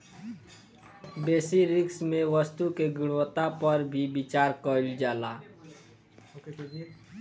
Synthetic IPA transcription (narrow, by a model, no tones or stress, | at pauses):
beːsiɾɪksmeʋəst̪ukeɡʊɽət̪apəɾbʱibit͡ʃaːɾkəld͡ʒaːla